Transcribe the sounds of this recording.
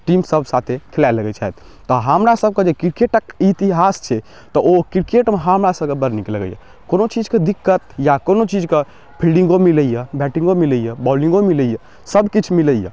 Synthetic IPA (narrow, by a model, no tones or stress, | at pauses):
ʈimsəbʱsat̪ʰekʰelaləɡɛt͡ʃʰa̰jt̪ʰ | t̪ːɔɦəmɾasəb̚ʱked͡ʒekiɾkeʈəkit̪iɦast͡ʃʰɛ | t̪ɔʔokiɾkeʈmeɦəmɾasəb̚kebəɾnikləɡə̰jɛ̰ | konot͡ʃid͡ʒked̪ikːət̪jakonot͡ʃid͡ʒke | bʰʱilɖĩŋɡomiləjɛbɛʈĩŋɡomiləjebɔlĩŋɡomiləjɛ | səbkit͡ʃʰmiləjḛ